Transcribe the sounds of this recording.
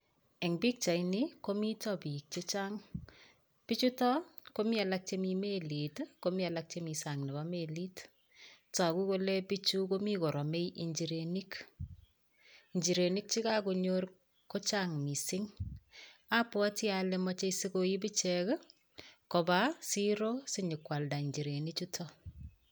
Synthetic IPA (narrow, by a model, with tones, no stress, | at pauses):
e˨ŋbi˦k̚t͡ʃa˨iniko˦mi˦tɔ˦pi˨k̚t͡ʃe˦t͡ʃaŋ | pi˦t͡ʃu˦tɔ˦ko˦mi˦a˨la˦k̚t͡ʃemi˧meli˨tko˦mi˦a˨la˦k̚t͡ʃe˦mi˨sa˨ŋnɪ˨ba˦me˨li˦t | ta˨ku˦ko˦le˦pi˦t͡ʃu˦ko˦mi˦ko˨ɾɔ˨me˦jʔi˨ɲd͡ʒi˨ɾeni˦k | iɲd͡ʒi˨ɾe˨ni˦k̚t͡ʃi˦ka˦ko˧ɲo˦ɾ | ko˦t͡ʃa˦ŋmi˨sɪ˦ŋ | a˦pwɔ˦tjale˦mɔ˦t͡ʃe˦ise˦ko˦ji˦bi˦t͡ʃɛk | ko˨ba˦si˦ɾo˦sɪ˦ɲɪ˨kwa˨lda˨i˨ɲd͡ʒi˨ɾe˨ni˦t͡ʃu˦tʰɔ˦